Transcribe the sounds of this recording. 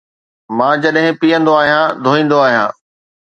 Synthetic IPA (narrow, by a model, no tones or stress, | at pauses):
mãːd͡ʑɐɗɦɪ̃piːə̃nd̪oaːɦijãd̪ʱoːĩːn̆d̪oaːɦijãː